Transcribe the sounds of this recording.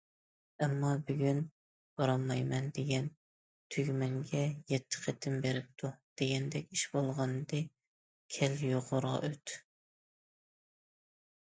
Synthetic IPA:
ɛmːɑbyɡʲyn | b̥ɑɾɑmːɑjmɛnd̪eɡʲɛn | t̪ʰyɡʲmɛŋɡʲɛjɛt̪ʰːɪ̥qʰæt̪ʰɪmbeɾɪp̚t̪ʰud̪̥eɡʲɛnd̪ɛkʲiʃbolˠʁɑnd̪ɨ | kʲʰɛljoʁʊɾʁɑ̰ʔøt̪

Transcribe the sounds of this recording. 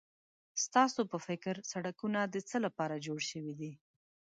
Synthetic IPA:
st̪ɑsopəfɪkɾsaɽakunad̪ət͡səlapɑɾad͡ʒoɽʃəwid̪i

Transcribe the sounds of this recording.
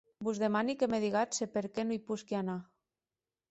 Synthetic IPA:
buzðemanikemeð̞iɣ̞asepeɾkenuipuskiana

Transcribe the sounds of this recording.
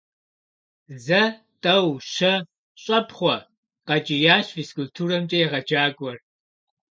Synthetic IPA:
zɐ | tʼɐwʃɐ | ɕʼɐpʰχʷɔ | qɐt͡ʃʼɪjaːɕfiskʼultʰuːrɐmt͡ʃʼɐjɛʁɐd͡ʒaːɡʷʼɔr

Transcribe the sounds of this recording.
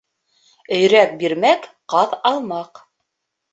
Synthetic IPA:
ɵ̆jɾæk̚biɾmæk | qɑðɑlˠmɑq

